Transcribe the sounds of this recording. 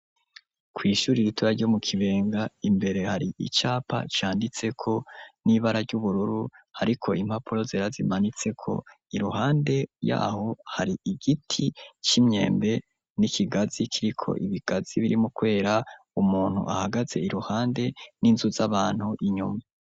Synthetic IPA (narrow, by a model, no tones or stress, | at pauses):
kwiːʃuɾiɾituɾaɾɟo̞mukʰiβe̞ːŋɡaimbe̞ɾe̞haɾiʔḭt͡ʃaːpa̰t͡ʃaːndit͡se̞kʰo̞niβaɾaɾɟuβuɾuɾuhaɾikʰo̞im̥hapʰuɾo̞ziɾazḭmanit͡se̞kʰo̞̰ | iɾuhaːnde̞ja̰ːho̞haɾiiɡitʰit͡ʃimɲe̞̰ːmbe̞ | nikʰiɡazikʰiɾikʰo̞̰ʔiβiɡ̥az̥iβiɾimukwe̞ːɾa | umuːn̥hṵʔahaɡaze̞iɾuhaːnde̞ninzuzaβaːn̥huʔiɲuma